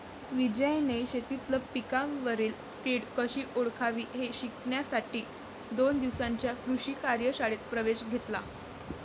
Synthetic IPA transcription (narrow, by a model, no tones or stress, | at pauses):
ʋid͡ʑəjneɕet̪it̪ləpikãmʋəɾiːl | piɽkəɕiːʔoɭkʰaʋiːɦeɕikɳjasaʈiː | d̪ond̪iʋsãɲt͡ɕjakɾuɕiːkaɾjəɕaɭet̪̚pɾəʋeɕɡʱet̪la